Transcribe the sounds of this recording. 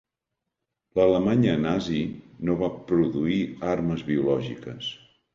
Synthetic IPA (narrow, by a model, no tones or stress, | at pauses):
lələmaɲənazinoβapɾuðuiarməzβiulɔʒikəs